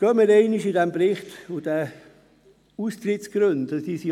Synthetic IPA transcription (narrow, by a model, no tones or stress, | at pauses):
ɡ̥œːməɾɛɪniʃɪdɛmpbɾɪχtud̥æ | ust̪ɾɪtsɡ̥ɾɵntɑsd̥iːsi